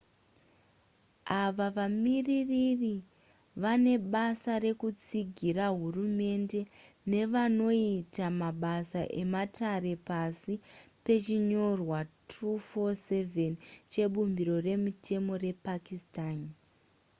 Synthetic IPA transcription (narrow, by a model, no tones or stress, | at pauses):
aʋaʋamiririri | ʋane̞ɓasaɾe̞kut͡siɡʱiraɦurume̞nde̞ | ne̞ʋano̞itamaɓasaʔe̞matʰare̞pasipe̞t͡ʃiɲo̞rwatʰufoseve̞nt͡ʃe̞ɓumbiɾo̞re̞mutʰe̞mo̞re̞pakistaːn